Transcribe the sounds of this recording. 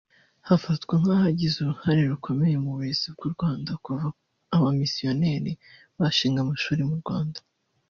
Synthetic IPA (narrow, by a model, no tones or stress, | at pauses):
hafatɡweŋ̥haːhaɟizuɾuhaɾeɾukʰo̞me̞je̞muβuɾe̞z̥ibɡuɾɡwaːndakuvao | aβamisijo̞ne̞ːɾi | βaʃiːŋɡamaʃuːɾemuɾɡwaːndḁ